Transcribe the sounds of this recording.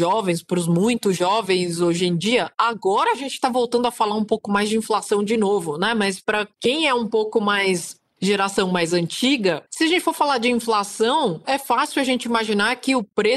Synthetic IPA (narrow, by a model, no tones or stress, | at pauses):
ʒɔvẽj̃spɾʊzmũj̃t̪ʊzʒɔvẽj̃zoʒẽj̃d͡ʒiɐaɡɔɾɐaʒẽnt͡ʃɪ̥t̪avowt̪ɐ̃nd̪ʊɐfalaɾũpowkʊmajzd͡ʒɪĩflasɐ̃w̃d͡ʒɪnovʊnɛmɐspɾɐkẽj̃ɛũpowkʊmajs | ʒeɾasɐ̃w̃majzɐ̃nt͡ʃiɡɐsɪaɐʒẽnt͡ʃɪ̥foɾfalaɾd͡ʒɪĩflasɐ̃w̃ɛfasɪwaʒẽnt͡ʃɪimaʒinaɾkɪʊpɾe